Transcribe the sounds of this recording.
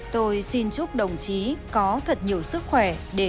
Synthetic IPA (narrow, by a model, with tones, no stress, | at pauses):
t̪o˧jsi˧nt͡ɕʊ˦˥k͡p̚ɗə˨˩wŋ͡mt͡ɕi˨˦kɔ˨˦t̪ʰə˨˩t̚ɲi˨˩əwsɨ˦˥k̚xwɛ˧˩ɗe˧˩